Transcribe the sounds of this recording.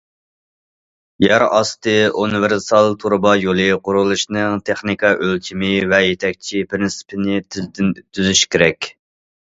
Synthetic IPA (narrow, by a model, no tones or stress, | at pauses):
jæɾɑst̪ɨunɨvɪɾsɑlˠt̪ʰuɾbɑjolˠɨqʰʊɾulˠuʃnɨŋt̪ʰeχnikʰɑʔølkʲʰimɪvɛjet̪ʰɛk̚ʲt͡ʃʰipʰɾɪnsɪ̥pʰɪnɪ | t̪ʰyzyʃkʲʰeɾɛkʲ